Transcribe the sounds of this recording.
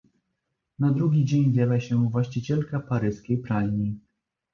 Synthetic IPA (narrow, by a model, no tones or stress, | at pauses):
nad̪ɾuɡʲid͡ʑeɲvʲɛlaɕɛvwaɕt͡ɕit͡ɕɛlkapaɾɘskʲejpɾalʲɲi